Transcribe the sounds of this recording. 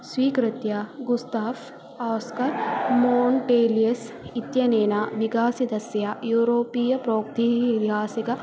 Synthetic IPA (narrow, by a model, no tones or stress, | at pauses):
sʋiːkɾɪt̪jaːɡust̪aːf | aːwskɐɾmoːɳʈeːlijɐs | it̪jɐneːnaːʋikaːsid̪ɐsjaːjuːɾoːpiːjɐpɾoːkt̪iːit̪iɦaːsikɐ